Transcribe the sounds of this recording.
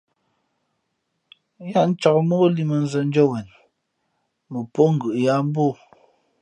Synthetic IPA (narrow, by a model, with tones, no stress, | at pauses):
ja˦˨n̩˦t͡ʃa˨kmo˦li˦˨mə˨n̩˦zə˨n̩˦d͡ʒɔ˦wɛ˨n | mə˨po˦ŋ̩˨ɡɯ˨ʔja˨˦m˦bo˦˨